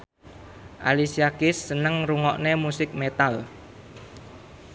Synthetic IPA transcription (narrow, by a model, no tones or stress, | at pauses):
ʔa̰lisiakɪsːənəŋruŋɔʔnemusɪk̚met̪al